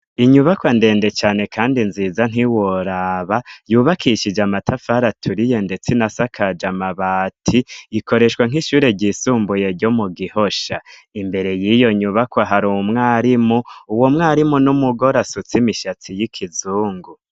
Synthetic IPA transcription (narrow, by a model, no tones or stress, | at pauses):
iɲuβakwande̞ːnde̞t͡ʃaːne̞kʰaːndinziːzan̥iwoɾaβajuːβakʰiʃid͡ʒamatʰafaɾatʰuɾije̞nde̞t͡sinasakʰad͡ʒamaβaːtʰiiko̞ɾe̞ʃwaŋ̥ɦiʃuːɾe̞ɟisuːmbuje̞ɾɟomuɡiho̞ʃaimbe̞ɾe̞jijo̞ɲuβakwaɦaɾumŋaːɾimuuwo̞mŋaːɾimunumuɡo̞ɾasut͡simiʃat͡sijikʰizuːŋɡu